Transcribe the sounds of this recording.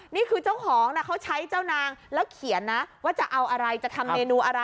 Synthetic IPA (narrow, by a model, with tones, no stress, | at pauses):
niː˥˩kʰɯː˧t͡ɕa˥˩wkʰɔː˩˦ŋna˧˥˩kʰa˦˥wt͡ɕʰa˦˥jt͡ɕaː˥˩wnaː˧ŋlɛː˦˥wkʰi˨˩˦ənːa˦˥waː˥˩t͡ɕa˨˩ʔa˧wʔa˧ɾa˧jt͡ɕa˨˩t̪ʰa˧mːeː˧nuː˧ʔa˧ɾa˧